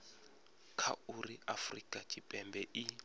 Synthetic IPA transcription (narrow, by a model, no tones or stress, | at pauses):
kʰa̰uriafrikʼat͡ʃʼipʼɛmbɛʔi